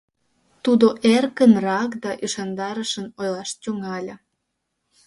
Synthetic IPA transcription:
t̪ud̪oʔerkənrɑkd̪ɑʔyʃɑnd̪ɑɾəʃənojlɑʃt̪ʲyŋɑlʲə̆

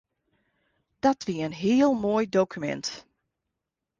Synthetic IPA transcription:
d̥ɔtʋiəənɦiəlˠmoːjdowkʰymɛ̰nt

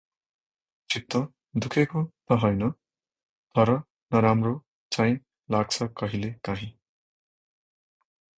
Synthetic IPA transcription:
t͡sʰip̚t̪ːʌ | d̪ukʰekot̪ʌɦʌjnʌ | t̪ʌɾʌ | nʌɾamro | t͡sajĩ | laɡ̚t͡sʰʌkʌɦilekaɦĩ

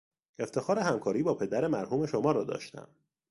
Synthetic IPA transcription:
e̞ft̪ʰe̞xɒːɾeɦæmkʰɒːɾiːbɒːpʰe̞d̪æɾe̞mæɾhuːme̞ʃomɒːɾɒːd̪ɒ̰ːʃt̪æ̰m

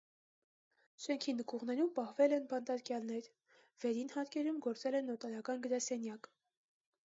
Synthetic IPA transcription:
ʃɛŋkʰinəkʰuʁnɛɾumpɑhvɛlɛnbɑnt̪ɑɾkjɑlnɛɾ | v̥ɛɾinhɑɾkɛɾumɡɔɾt͡sɛlɛnːɔt̪ɑɾɑkɑnɡəɾɑsɛnjɑk

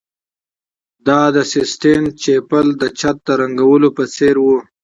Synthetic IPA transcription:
d̪ɑd̪əsɪsʈent͡ʃepəld̪ət͡ʃat̪̚d̪əɾaŋɡawəlopət͡seɾwu

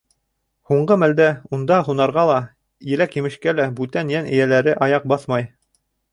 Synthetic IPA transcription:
huɴɢɤmæld̪æund̪ɑɦunɑɾʁɑlˠɑ | jɘ̆lækjɘ̆mɘ̆ʃkælæbʉt̪ænjænɘ̆jælæɾɘʔɑjɑq̚bɑθmɑj

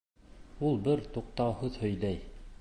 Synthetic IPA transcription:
ulˠbɘɾt̪uq̚t̪ɑwhɤðhɵ̆jlæj

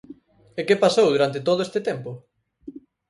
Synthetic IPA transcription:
ekepasowðuɾant̪ɪt̪oð̞oest̪ɪt̪ɛmpʊ

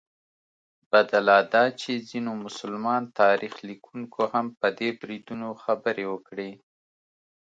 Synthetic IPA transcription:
b̥ad̪alɑd̪ɑt͡ʃezinomʊsʊlmɑnt̪ɑɾixlikʰuŋkʰohampəd̪ebɾid̪unoxabəɾewəkɽi

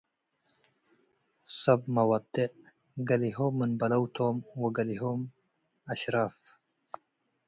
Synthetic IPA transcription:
sɐbmɐwɐd̪ɪʕ | ɡɐliɦomːɨnbɐlɐwt̪ʰomwɔɡɐliɦom | ɐʃɾaf

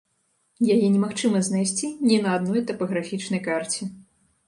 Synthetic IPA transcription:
jajɛnʲɛmaxt͡ʂɨmɐzʲnajsʲt͡sʲinʲɛnɐːd̪nɔjt̪ɐpɐɣɾafʲit͡ʂnɐjkart͡sʲi

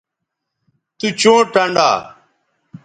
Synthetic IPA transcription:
t̪uːt͡ʃõːʈəɳɖa̰ː

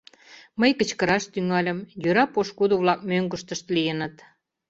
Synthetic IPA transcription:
məjkə̆t͡ɕkəɾɑʃt̪yŋɑlʲə̆mjøɾɑpoʃkud̪oβlɑk̚møŋɡə̆ʃt̪əʃt̪lijənə̆t̪

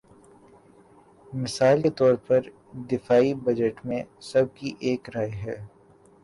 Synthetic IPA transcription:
mɪsaːlket̪ɔːɾpɐɾ | d̪ɪfaːibɐd͡ʒəʈmẽsɐb̚kiʔeːkɾaːjɦɛː

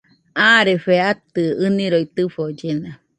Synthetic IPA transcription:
ãɾefeat̪ɯɨniɾoit̪ɨfod͡ʒena

